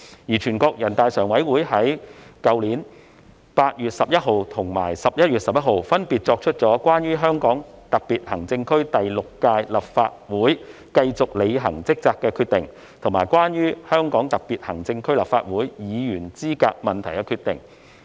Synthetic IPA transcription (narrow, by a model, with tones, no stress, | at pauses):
jiː˨˩t͡ʃʰyː˨˩nkɔː˧k̚jɐ˨˩nt̪aː˨˧jsœː˨˩ŋwɐ˨˥jwuː˨˥jɦɐ˨˥jkɐ˧wliː˨˥n | paː˧t̚jyː˨t̚sɐ˨p̚jɐ˥t̚ɦo˨˧wt̪ʰʊ˨˩ŋma̰ː˨˩jsɐ˨p̚jɐ˥t̚jyː˨t̚sɐ˨p̚jɐ˥t̚ɦo˨˧wfɐ˥npiː˨t̚t͡sɔː˧k̚t͡ʃʰɵ˥t̚t͡sɔː˨˥kwaː˥nɥyː˥ɦœː˥ŋkɔː˨˥ŋ | t̪ɐ˨k̚piː˨t̚hɐ˨˩ŋt͡sɪ˧ŋkʰɵ˥ɥt̪ɐ˨jlʊ˨kːaː˧jlɐ˨p̚fa̰ː˧t̚wuː˨˥j | kɐ˧jt͡sʊ˨k̚le˨˧jɦɐ̰˨˩ŋt͡sɪ˥k̚t͡saː˧kːɛː˧kʰyː˧t̪̚ɪ˨˩ŋ | t̪ʰʊ˨˩ŋmaː˨˩jkwaː˥njyː˥hœː˥ŋkɔː˨˥ŋt̪ɐ˨k̚piː˨t̚hɐ˨˩ŋt͡sɪ˧ŋkʰɵ˥ɥlɐ̰˨pfa̰ː˧t̚wuː˨˥jjiː˨˧jyː˨˩nt͡siː˥ka̰ː˧k̚mɐ˨nt̪ʰɐ˨˩jkɛ˧kʰyː˧t̪ɪ˨ŋ